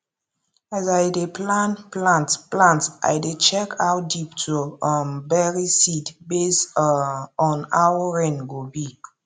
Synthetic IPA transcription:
azajdeplãnplãntplãntʔa̰jdet͡ʃɛkʰawt̚diptʰumbɛɹisidbes | ɔ̃nawəɹẽnɡobi

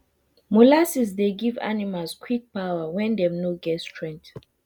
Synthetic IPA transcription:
molasisdeɡiva̰nimalskʰwik̚pawawɛ̃ndɛ̃mnoɡɛtstʰɹɛ̃ŋt

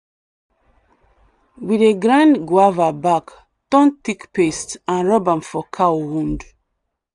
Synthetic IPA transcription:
wideɡɹãndɡwavabak | tɔ̃ntikpestãnɹɔbãnfɔkʰawwũnd

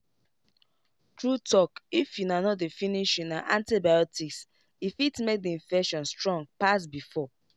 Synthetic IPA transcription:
tɹutɔkifjunanɔt̚definiʃjunaʔãntibajɔtiks | ifitmek̚diĩnfɛkʃɔ̃nstɹɔ̃ŋɡ̚pas̬bifɔ

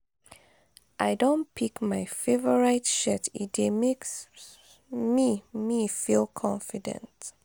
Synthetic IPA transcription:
ʔaɪdõntpʰikmaɪfevəɹaɪtʃɛtitdemeks | mimifilˠkʰɔ̃ɱfidɛ̰̃nt

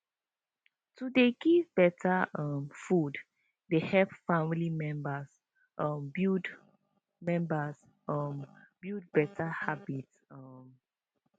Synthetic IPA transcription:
tudeɡivbɛtʰaʌmfud | dehɛpfãmilimɛ̃mbas | ʔɔmbid | mɛ̃mbas | ɔmbid̚bɛtʰahabitsʌm

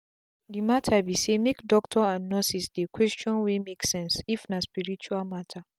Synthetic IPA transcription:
dimatʰabisemekdɔk̚tʰɔãnːɔsisdekʰwɛst͡ʃɔ̃nwemeksɛ̃nsifnaspiɹit͡ʃuamatʰa

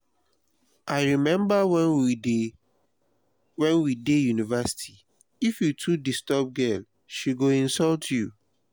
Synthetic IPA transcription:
ʔaɪɹimɛ̃mbaw | wɛ̃nwidejunivɛsi̥tʰi | ifjutʰudistɔb̚ɡɛl | ʃiɡoĩnsɔltʰju

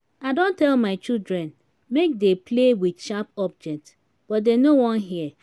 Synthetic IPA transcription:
aɪdõntɛlmaɪt͡ʃildɹɛ̃n | mek̚depʰlewidʃapɔb̚d͡ʒɛk̚t | b̥ɔt̚denowɔ̃nɦiə

